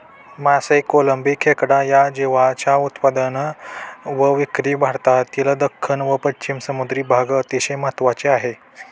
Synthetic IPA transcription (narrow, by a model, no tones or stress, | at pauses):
masəjkoləmbikʰːekɽajad͡ʑeʋat͡ɕaut̪pad̪ən | ʋəʋikɾiːbʱaɽt̪at̪ilad̪əkʰːəɳʋəpəɕimsəmud̪ɾiːbʱaɡət̪iɕejmat̪ʋat͡ɕeaɦe